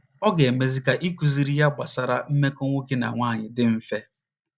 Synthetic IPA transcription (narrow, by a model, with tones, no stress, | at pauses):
ɔ˦ɡe˨e˨me˨zi˦ka˨ʔi˦ku˨zi˨ɾi˦ja˦ɡ͡ba˨sa˦ɾa˦m̩˦me˦ko˦ŋʷo˦ki˦na̰˨ŋʷaː˦˨ɲɪ˨dɪ˦m̩˦fe˦